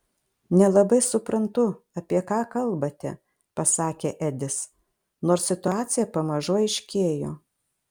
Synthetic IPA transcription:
nʲɛlˠɐbɐɪsʊpɾɐnt̪ʊ | ɐpʲiɛkɑːkɐlˠbɐt̪ʲɛ | pɐsɑːkʲeːʔæd̪ʲɪs | noːɾssʲɪt̪ʊɑːt̪sʲɪjɛpɐmɐʒoːɪʃʲkʲeːjoː

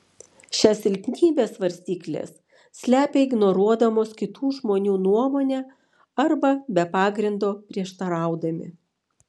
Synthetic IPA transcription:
ʃʲɛsʲɪlʲpʲnʲiːbʲeːsʋɐɾʲsʲt̪ʲiːklʲḛːs | sʲlʲæːpʲeɪɡnɔɾuɔd̪ɐmoːskʲɪt̪uːʒmoːnʲuːnuɔmoːnʲɛː | ɐɾbɐbʲɛpɑːɡɾʲɪnd̪oːpʲɾʲiɛʃt̪ɐɾɑˑʊd̪ɐmʲɪ̰

